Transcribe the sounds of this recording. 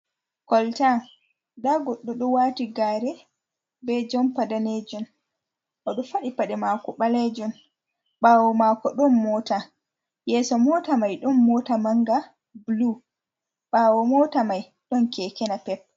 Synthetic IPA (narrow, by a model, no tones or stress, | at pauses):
kɔlta | daɡɔɗːɔɗɔwaːtiɡaːɾɛ | bɛd͡ʒɔmpadaned͡ʒun | ʔɔɗɔfaɗipaɗɛmakɔɓaled͡ʒun | ɓaːwɔmakɔɗɔnmɔta | jɛsɔmɔtamajɗɔnmɔːtamaŋɡa | blu | ɓaːwɔmɔtamaj | ɗɔnkɛkɛnapɛp̚